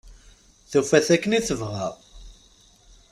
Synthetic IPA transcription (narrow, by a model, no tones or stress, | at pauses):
θufæθækːəniθəvʁæʁ